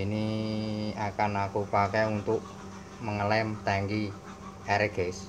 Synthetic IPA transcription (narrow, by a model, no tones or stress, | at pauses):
ini | akanakupakɛunt̪ʊʔ | məŋəlɛmt̪ɛŋɡi | ɛɾɛɡ̥es